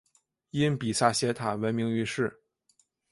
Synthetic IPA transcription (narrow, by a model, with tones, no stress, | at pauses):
i˥npi˨˩sa˥˩ɕjɛ˧˥t̪ʰa˨˩wə˧˥nmi˧˥ŋy˧˥ʂɻ̩˥˩